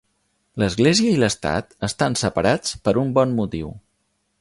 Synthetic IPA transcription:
ləzɣleziəiləst̪a̰t̪əst̪ansəpəɾat͡spəɾumbɔnmut̪iw

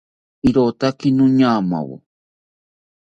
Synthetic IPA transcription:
iɾot̪akinũɲaːma̰wo̰

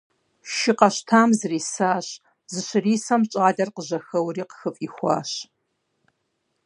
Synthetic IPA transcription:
ʃɪqɐɕtʰaːmzɨriːsaːɕ | zɨɕɨriːsɐmt͡ʃʼaːdɐrqəʑɐxɐwɾiːqə̥xɨfʼiːxʷɑ̰ːɕ

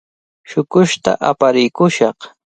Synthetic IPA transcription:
ʃʊkʊʃt̪a̰ʔapaɾɪkʊʃɑq

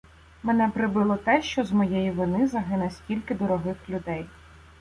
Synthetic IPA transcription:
menɛpɾɪbɪlˠɔt̪ɛʃt͡ʃɔzmɔjejiʋɪnɪzɐɦɪnɐsʲkʲilʲkɪd̪ɔɾɔɦɪxlʲʊd̪ɛj

